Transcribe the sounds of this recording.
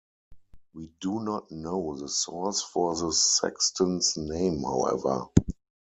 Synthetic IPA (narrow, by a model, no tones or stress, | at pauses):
wiːdunɔtnoʊðəsɔsfɔðəsɛ̰kstʰə̃nsnẽɪ̃mha̰ʊɛ̰və̰˞